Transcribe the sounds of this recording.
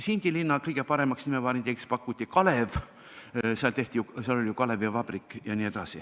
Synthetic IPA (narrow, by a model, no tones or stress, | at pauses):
sind̪̥ʲilinːɑkɤjɡ̥epɑɾe̞mɑksnimevɑːɾint̪ʲekspɑkːˑut̪ʲːikɑle̞v | seɑlt̪e̞ht̪ʲijuseɑlolʲijukɑle̞vjɑvɑb̥rikːˑjɑnie̞d̪̥ɑsi